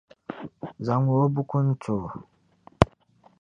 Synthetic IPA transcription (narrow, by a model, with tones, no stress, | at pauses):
za˨˦ŋwo˨˦bu˦ku˦n̩˦t͡so˨